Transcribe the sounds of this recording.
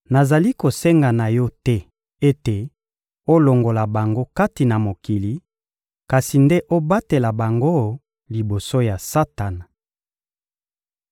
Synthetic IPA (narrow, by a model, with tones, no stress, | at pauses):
na˨za˨li˦ko˨sɛ˦ŋɡa˨na˨jɔ˦tɛ˦ | e˦te˨ | o˦lo˨ŋɡo˨la˨ba˨ŋɡo˦ka˦ti˨na˨mo˨ki˨li˨ | ka˨si˨nde˦ʔo˦ba˦te˨la˨ba˨ŋɡo˦ | li˨bo˨so˦ja˨sa˦ta˨n˨